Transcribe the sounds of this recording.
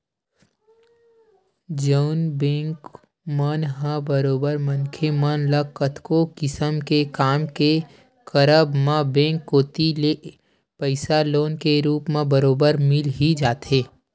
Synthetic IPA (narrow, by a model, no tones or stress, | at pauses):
d͡ʒəʊnbẽːŋk | mənɦãbəɾoːbəɾmənkʰemənləkət̪ʰkokɪsəmkekaːmke | kəɾəbmãbẽːŋkːoːt̪ile | pəɪsaloːnkeɾuːpmẽbɐɾoːbəɾmɪlɦid͡ʒaːt̪ɦeː